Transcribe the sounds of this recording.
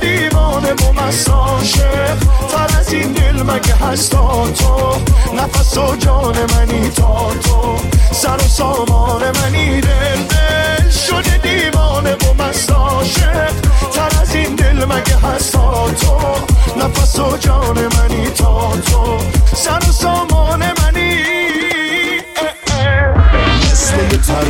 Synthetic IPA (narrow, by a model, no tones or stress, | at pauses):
d̪iːvɔːnemomæsɔʃet̪ʰaɾæzind̪elmæɡeɦæst̪ʰɔt̪ʰonæfæsod͡ʒɔːnemænit̪ʰɔːt̪ʰo | sæɾosɔːmɒːnemænid̪eld̪eʃod̪id̪iːmɔːnebomasɔʃet̪ʰaɾazind̪elmæɡeɦast̪ɔt̪ʰonafasod͡ʒɒːnemænit̪ʰɔt̪ʰosaɾosɔːmɔːnemani | se